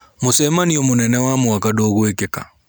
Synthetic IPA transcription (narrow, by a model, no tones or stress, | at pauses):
mosɛmaniɔmonɛnɛwamwakadoːɣoekeka̰